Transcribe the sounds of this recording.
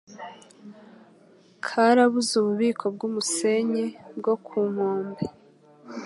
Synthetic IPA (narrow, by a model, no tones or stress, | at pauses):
kʰaɾaβuzuβuβiːkʰo̞bɡuːmuse̞ɲebɡo̞kʰuːŋ̥oːmbe